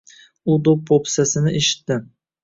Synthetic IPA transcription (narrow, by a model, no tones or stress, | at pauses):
ʊd̪opʰopsasɪnɪʔeʃɪ̥t̪ːɪ